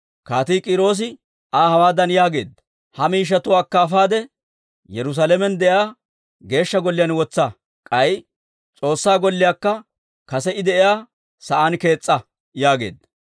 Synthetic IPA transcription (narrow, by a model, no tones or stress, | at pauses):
kaːt̪iːkʼɪɾo̞ːs̬ɪ | aːhɐwaːd̪ɐnjaːɡe̞̰ːd̪ɐ | hɐmiːʃ̬ːɐt̪ʊwaːkːɐːfaːd̪ɛ | jɛɾʊs̬alɛmɛnd̪ɛjaː | ɡe̞ːʃːɐɡɔlːɪjaːnwɔt͡sːɐ | kʼɐj | t͡sʼo̞ːsːaːɡɔlːɪjaːkːɐ | kɐsɛɪd̪ɛʔɪjaː | sɐʔaːnke̞ːt͡sʼːɐ | jaːɡe̞̰ːd̪ɐ